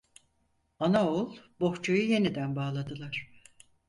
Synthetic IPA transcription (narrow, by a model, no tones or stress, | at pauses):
anaolˠbo̞ht͡ʃʰujuje̞nid̪ænbaːlˠad̪ɯlˠaɾ̥